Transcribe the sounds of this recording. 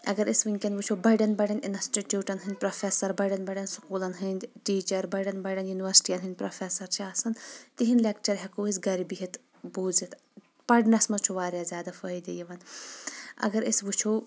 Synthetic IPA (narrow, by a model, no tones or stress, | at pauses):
ɐ̰ɡɐɾisʋiŋkʲɐnd̪ʋut͡ʃʰoːbɐɖɐnbɐɖɐnḭnɐsʈiʈʲjuːʈɐnɦɨnʲpɾɐfʰesɐɾbɐɖɐnbɐɖɐnsu̥kuːlɐnɦɨnʲʈiːt͡ʃɐɾbɐɖɐnbɐɖɐnjuniʋɐɾsʈijɐnɦɨnʲpɾofʰeːsɐɾt͡ʃʰiaːsɐnt̪iɦinlekt͡ʃɐɾɦɛkuːisɡɐɾibiɦit̪ | buːzit̪ | pɐɖnɐsmɐt͡ʃʰuʋaːɾjaːzʲjaːd̪afɐid̪ijɐʋɐn | ɐ̰ɡɐɾisʋut͡ʃʰoː